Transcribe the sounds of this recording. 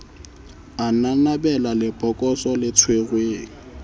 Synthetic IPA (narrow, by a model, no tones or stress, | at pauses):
ananabɛlalɪpʼɔkʼɔsɔlɪt͡sʰweɣweːŋ̩